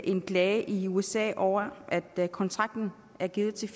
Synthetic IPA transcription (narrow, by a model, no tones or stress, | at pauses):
ʔe̝nɡ̥lɛːɪəʔiuesɛ̰ːʔɒʊ̰ɐʔæd̥kʰɒ̽nt͡sʰʁɑ̈ɡ̥̚d̥n̩ | æɐɡ̥iːð̩ˠt͡sʰe̝